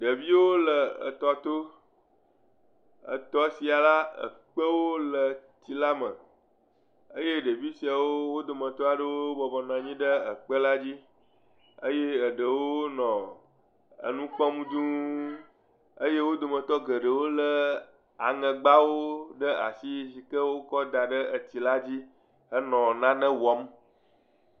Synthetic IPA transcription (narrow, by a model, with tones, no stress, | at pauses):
ɖə˨vi˦wo˦lə˨ə̰˨t̪ɔ˨t̪o˦ | ə̰˨t̪ɔ˦si˨a˨la˦ə̰˨k͡pə˦wo˦lə˨ti˦la˦mə̰̃˨ | ə˦je˦ɖə˨vi˦si˨a˨wo˦wo˦d̪o˨mə̃˨t̪ɔ˦a˨ɖə˦wo˦bɔ˨bɔ˨nã˨ɲĩ˦ɖə˦ə˨k͡pə˦la˦d͡ʑi˦ | ə˦je˦ə˨ɖə˨wo˦nɔ̃˨ | ə̰˨nũ˦k͡pɔ˦mũ˦d͡ʒũ˦ | ə˦je˦wo˦d̪o˨mə̃˨t̪ɔ˦ɡə˨ɖə˨wo˦lə˦ | a̰˨ŋə̃˨ɡ͡ba˦wo˦ɖə˦a̰˨si˦si˨kə˦wo˦kɔ˦d̪a˨ɖə˦ə˨t͡ɕi˨la˦d͡ʑi˦ | ə˦nɔ̃˨nã˦nə̃˦wɔ˦m˦